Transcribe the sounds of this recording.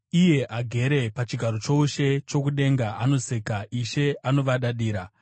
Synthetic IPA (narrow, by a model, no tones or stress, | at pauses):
ije̞ʔaɡʱe̞ɾe̞pat͡ʃiɡʱaɾo̞t͡ʃo̞uʃe̞t͡ʃo̞kuɗe̞ŋɡaano̞sekaiʃe̞ano̞ʋaɗaɗiːɾa